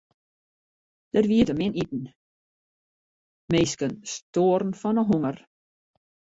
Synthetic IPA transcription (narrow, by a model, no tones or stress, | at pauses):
d̥ərʋiətəmɪnitn̩ | meːskənstoːɾn̩fɔnəɦuŋər